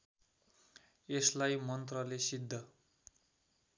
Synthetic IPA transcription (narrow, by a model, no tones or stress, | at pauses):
eslajmʌnt̪rʌlesid̪ʱːʌ